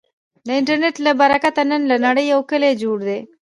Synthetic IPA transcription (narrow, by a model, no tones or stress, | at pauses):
nɐiɳʈɐɾneʈːlɐbɐɾɐkːɐt̪ɐnːɐnlɐnɐɽɐjɐwkːɐleːd͡ʒuːɽd̪e